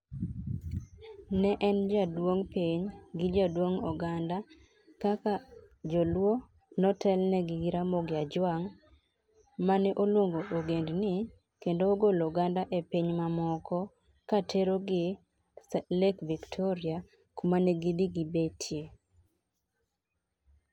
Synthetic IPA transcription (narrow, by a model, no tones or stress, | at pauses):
nɛʔɛnd͡ʒadwoŋpiɲɡɪd͡ʒadwoŋɔɡanda | kaka | d͡ʒɔlwo | nɔtʰɛlnɛɡɪɡiɾamoɡɪad͡ʒwaŋ | manɛʔolwoŋɡoʔoɡendnɪ | kendoːɡolɔɡandaʔepiɲmamɔkɔ | katʰeɾoɡɪ | lɛkviktʰɔɾɪa | kumanɛɡibiɡibetʰje